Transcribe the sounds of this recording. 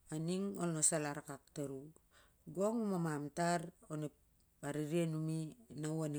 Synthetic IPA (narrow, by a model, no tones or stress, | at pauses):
aniŋolnosalaɾakak̚taɾu | ɡoŋumamamtaɾone | aɾiɾianuminawan